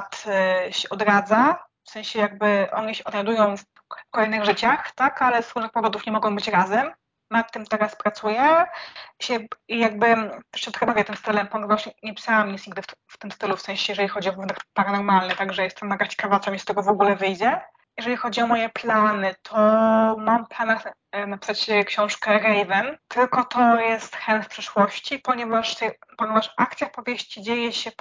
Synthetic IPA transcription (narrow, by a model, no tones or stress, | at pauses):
t̪ɕɛʔɔd̪ɾad̪za | fsɛ̃ɕɛjaɡ̚bɘʔɔɲiɕɛʔɔd̪najd̪ujɔ̃w̃f | fkɔlɛjnɘɣʐɘt͡ɕaxt̪akalɛzɾuʐnɘxpɔvɔd̪ufɲɛmɔɡɔ̃w̃bɘt͡ɕɾazɛm | makt̪ɘmt̪ɛɾaspɾat̪sujɛ | ɕɛijaɡ̚bɘt̪ɛʂt͡ɕɛt̪kɛbaɾɛt̪ɘmst̪ɘlɛmpɔŋɡ̪vawɕɛɲɛpʲi̥sawamɲʲit̪sɲiɡd̪ɘt̪ft̪ɘmst̪ɘlufsɛ̃ɕɛjɛʐɛlʲixɔd͡ʑiɔvt̪akpaɾanɔɾmalnɘt̪aɡʐɛjɛst̪ɛmnaɡat͡ɕe̥kavat̪sɛmist̪ɛɡɔvɔɡulɛvɘjd͡ʑɛ | jɛʐɛlʲixɔd͡ʑiɔmɔjɛplanɘt̪ʰɔmamplanax | napʲi̥sat͡ɕkɕɔ̃w̃ʂkɛɾɛjvɛnt̪ɘlkɔt̪ɔjɛst̪xɛnfpʂɛʂwɔɕt͡ɕipɔɲɛvaʂt̪ɛpɔɲʲɛvaʂʔakt̪sʲjapɔvʲjeɕt͡ɕid͡ʑejɛɕɛ